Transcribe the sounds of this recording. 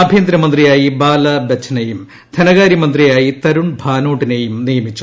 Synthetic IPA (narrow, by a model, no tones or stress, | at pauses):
ɐbʱjeːnd̪ɾɐmɐnd̪rijaːjibaːlɐbet͡ɕʰːɐnɐjum | d̪ʰʱɐnɐɣaːɾjimɐnd̪rijaːjit̪ɐɾuɳbʱaːnoːʈːinejumnijɐmit͡ɕːu